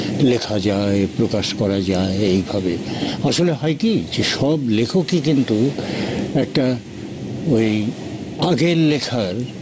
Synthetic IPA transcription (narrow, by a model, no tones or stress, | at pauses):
lekʰad͡ʑaepɾokaʃkɔɾad͡ʑaeejbʱabeaʃoleɦɔjkid͡ʑeʃɔblekʰokikint̪u | ɛk̚ʈa | oj | aɡeɾlekʰaɾ